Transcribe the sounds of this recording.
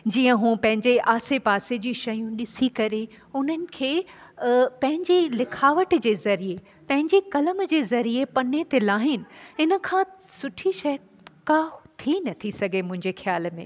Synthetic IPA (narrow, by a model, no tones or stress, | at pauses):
d͡ʑiːə̃ɦũːpɐ̃ɦɪ̃ɲd͡ʑeʔaːsepaːsed͡ʑiːʃɐjũɗɪsikɐɾe | ʊn̤ənɪ̆kʰeː | pɐ̃ɦɪ̃ɲd͡ʑelɪkʰaːʋəʈd͡ʑeːzɐɾie | pɐ̃ɦɪ̃ɲd͡ʑekɐləmd͡ʑeːzɐɾiepɐnet̪elaːɦɪnɪ̆ɪnə̆kʰãːsʊʈʰiʃɐj | kaːt̪ʰinɐt̪ʰisɐɡʱemʊ̃ɦɪ̃ɲd͡ʑexjaːlmḛ̃ː